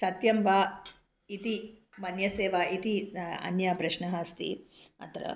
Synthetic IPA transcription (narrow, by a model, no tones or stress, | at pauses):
sɐt̪jɐmʋaː | it̪imɐnjɐseːʋaːʔit̪iɐ̰njaːpɾɐʃnɐɦɐst̪ḭɐ̰t̪ɾɐ̰